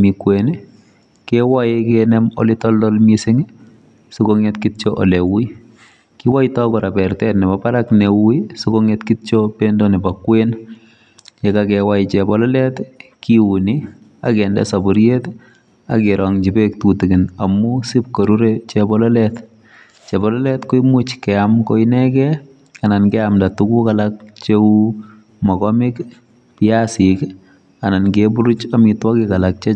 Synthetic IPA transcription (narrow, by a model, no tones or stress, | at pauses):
mikweni | kɛwaɪkɛnɛmɔ̰lɪtɔldɔlmisɪŋi | sʊkoŋɛtkitt͡ʃoʔɔlewuj | kɪwaitɔkɔɾapɛrtɛtnɪbapaɾaknewisokoŋɛtkitt͡ʃopendonɪbakwen | jekakɛwaɪt͡ʃɛbɔlɔlɛtkiuni | a̰kɛndɛ̰sabʊɾjet | akɪɾʔɔŋd͡ʒibek̚tutɪkɪnamːusip̚koɾuɾet͡ʃɛbɔlɔlɛt | t͡ʃɛbɔlɔlɛtkʊimʊt͡ʃkɛamkɔinɛkɛ | anankɛamdatukukalak̚t͡ʃeu | mɔkɔmɪk | pɪasik | anankebuɾut͡ʃamitwakɪkalak̚t͡ʃɛ